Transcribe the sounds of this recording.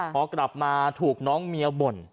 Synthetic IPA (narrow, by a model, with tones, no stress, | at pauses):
pʰɔː˧kɾa˨˩p̚maː˧t̪ʰuː˨˩k̚nɔː˦˥ŋmi˧ɐ˧bo˨˩n